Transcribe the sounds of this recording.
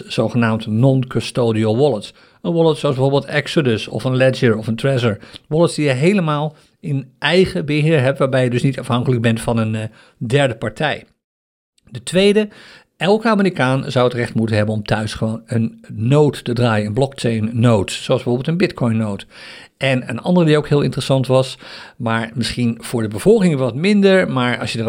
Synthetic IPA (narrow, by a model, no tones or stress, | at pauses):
z̥owχənaːmtnɔnkɔstoːdiolˠʋɔlˠəts | ənʋɔlˠətsoɑzbəvoɹbɪlˠtɛksədəsɔ̰fənlɛd͡ʒəɹɔfəntrɛzəɹʋɔlətsdijəɦejləmaːlˠ | ɪnʔɛjχəbəɦɪːɹɦɛp̚tʋaːɹbɛjədɵsnitɑfɦɑŋkələɡ̚bɛntfɑnən | dɛɹdəpɑɹtʰɛj | d̥ətʋejdə | ʔɛlˠkəaːmərikaːnzʌwətrɛχtmutənɦɛbənɔmtʰœɥsχəʋonənːowtːədraːjəənblɔkt͡ʃejnːowtsowɑlˠzbəvoːbɪlˠtənbɪtkʰɔjnːowt | ʔɛnə̰nɑ̰ndərədiowkɦɪːlˠɪ̰̃ntrəsɑntʋɑsmaːɹmɪsχinv̥ʊːɹdəbəv̥ɔlˠkɪŋʋɑtmɪndəɹmaːɹɑ̰lˠsjəə